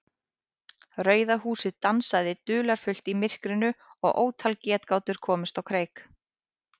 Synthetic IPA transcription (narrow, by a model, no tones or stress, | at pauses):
rœːɥðahuːsɪðt̪ansajðɪt̪ʏːlaɾ̥fʏl̥t̪imɪr̥kɾɪnʏɔɣʔo̰ːwt̪ʰalcɛːt̪kaːwt̪ʏɾ̥kʰɔːmɪst̪ɔwkʰɾeːjk